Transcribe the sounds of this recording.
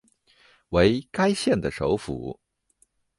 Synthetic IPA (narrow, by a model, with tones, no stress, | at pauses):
we˧˥ɪka˥ɪɕjɛ˥˩nd̪ə˩ʂo˧˥ʊfṵ˨˩˦